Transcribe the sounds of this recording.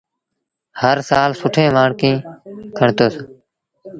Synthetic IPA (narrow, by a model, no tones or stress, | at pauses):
həɾsaːlsʊʈʰẽːʋaːɳkĩːkʰəɳt̪oːs